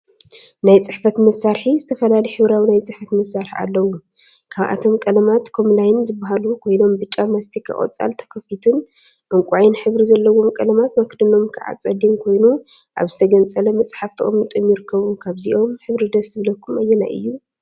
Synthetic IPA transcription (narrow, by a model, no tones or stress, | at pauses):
najt͡sʼɨħfɐt̪mɐsaɾħizɨt̪ʰɐfɐlalijħɨβɾawinajt͡sʼɨħfɐt̪mɐsːaɾħḭa̰lːɐwu | kʰaβʔa̰t̪ʰo̞mkʼɐlɐmat̪kʰo̞mlajɪnzɨbːaɦalukʰo̞jno̞mbɨt͡ʃʼːamɐst̪ʰikʰɨ̰χʼo̰t͡sʼa̰lt̪ʰɐ̥kʰɐfit̪ʰɨn | ʔɨŋkʷʼajnħɨβɾizɐlːɐwːo̞mkʼɐlɐmat̪mɐkʰd̪ɨno̞mkʰɨʕa̰t͡sʼɐd̪imkʰo̞jnu | ʔa̰βzɨt̪ʰɐɡɐnt͡sʼɐlɐmɐt͡sʼħaft̪ʰɨʔomnɨt̪ʼɨmːjɪɾɨkʰːɐβumkʰaβziʔo̞mħɨβɾid̪ɐsɨβɨlɐkʰːumɐjːɛna̰ʔɨ̰jːu